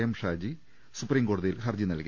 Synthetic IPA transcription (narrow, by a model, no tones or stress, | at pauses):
jɐmʂaːd͡ʑi | supːriːmko̞ːɽuðijilxɐrd͡ʑinɐlki